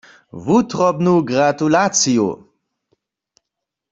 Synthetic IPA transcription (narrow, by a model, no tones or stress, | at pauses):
vut̪rɔbnuɡɾat̪ulat͡sijṵ